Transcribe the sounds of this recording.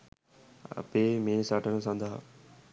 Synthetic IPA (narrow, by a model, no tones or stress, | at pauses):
ə̰peːmẽːsaːʈənõsãːnd̪aa